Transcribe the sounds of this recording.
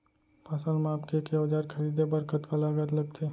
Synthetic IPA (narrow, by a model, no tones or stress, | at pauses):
pɐsəlmaːpkekeɐd͡ʒaːɾkʰɐɾiːd̪ebɐɾkət̪kalaɡət̪lɐɡ̚t̪ʰe